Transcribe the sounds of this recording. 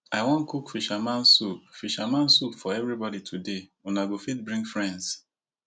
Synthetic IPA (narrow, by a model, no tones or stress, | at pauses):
aɪwɔ̃nkukfiʃamãnsup̚fiʃamãnsupfɔɛvɹibɔditʰudeunaɡofit̚bɹĩŋɡfɹɛ̃nds